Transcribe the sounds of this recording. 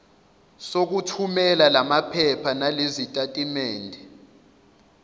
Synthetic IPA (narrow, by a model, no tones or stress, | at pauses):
sok̬utʰumɛlalamapʰɛpʰanalezitʼatʼimeːndʱɛ